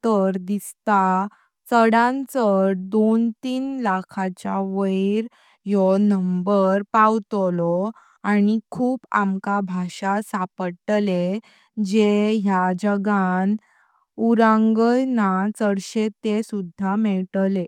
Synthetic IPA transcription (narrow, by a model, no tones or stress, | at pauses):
t̪əɾd̪ist̪a | t͡səɽãnt͡səɾd̪ont̪iːnlakʰat͡ɕaʋəjiɾ | jɔnəmbəɾpawt̪lɔ | añikʰuːpamkabʱaɕasapəʈle | d͡ʑeɦjad͡ʑəɡan | uɾãŋɡəjnat͡səɽɕet̪esud̪ʱːamɛɭʈle